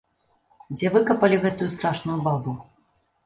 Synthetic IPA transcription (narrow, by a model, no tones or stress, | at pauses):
d͡zʲɛvɨkɐpɐlʲiɣɛt̪ujust̪ɾaʂnujubabu